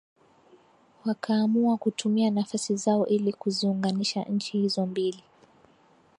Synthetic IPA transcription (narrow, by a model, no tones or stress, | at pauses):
wakʰaːmuakutʰumianafasizaɔʔilikuziuŋɡaniʃa̰ɲ̩t͡ʃihizɔmbili